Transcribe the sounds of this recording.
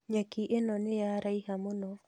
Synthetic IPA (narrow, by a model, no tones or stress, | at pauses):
ɲakiʔenɔnɪjaɾaihamonɔ